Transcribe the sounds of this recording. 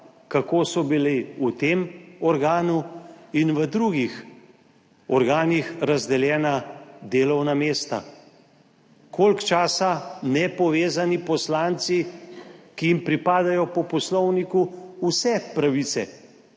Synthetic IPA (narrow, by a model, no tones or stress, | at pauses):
kakoːsɔbileut̪emɔɾɡaːnuinʋəd̪ɾuɡix | ɔɾɡaːnixɾazd̪ɛljɛːnad̪eːlɔwnameːst̪a̰ | koːlkt͡ʃaːsanɛpɔʋeːzanipɔslaːnt̪si | kijimpɾipaːd̪ajɔpɔpɔslɔwnikuusɛpɾaʋit̪sɛ̰